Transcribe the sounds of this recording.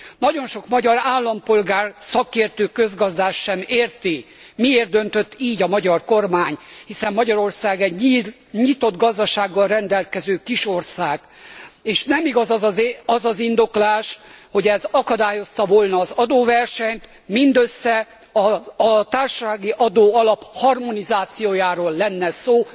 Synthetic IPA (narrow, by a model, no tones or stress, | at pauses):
nɒɟo̞nʃo̞kmɒɟɒɾaːlːɒmpo̞lɡaːrsɒkeːrt̪øːkø̞zɡɒzd̪aːʃːɛmeːrt̪i | mieːrd̪ø̞nt̪ø̞t̪ːiːɟɒmɒɟɒrko̞rmaːɲhisɛmːɒɟɒɾo̞rsaːɡɛɟi | ɲit̪o̞d̪ɡɒzd̪ɒʃaːɡːɒlrɛnd̪ɛlkɛzøːkiʃo̞rsaːɡ̥ | eːʃnɛmiɡɒzɒzɒzɒzind̪o̞klaːʃho̞ɟɛzɒkɒd̪aːjo̞st̪ɒvolnɒːzɒd̪oːvɛrʃɛɲt̪ | mind̪øsːɛ | ɒːt̪aːrʃaːɡiʔɒd̪oːɒlɒphɒrmo̞nizaːt̪sijoːjaːɾoːlːɛnːɛsoː